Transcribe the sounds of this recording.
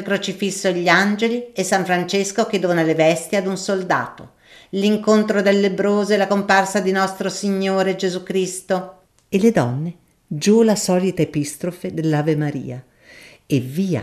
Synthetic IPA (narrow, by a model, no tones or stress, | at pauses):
lkɾot͡ʃifisːoeʎːiand͡ʒeliesːaɱfɾant͡ʃeskok̟ed̪oːnalevɛst̪jad̪unsold̪a̰ːt̪o | liŋkont̪ɾod̪elːebɾoːzoelakomparsad̪inɔst̪ɾosiɲːoːɾed͡ʒezukɾist̪o | eled̪ɔnːe | d͡ʒulasɔːlit̪aepist̪ɾofed̪elːaːvemaɾḭːa | eviːa̰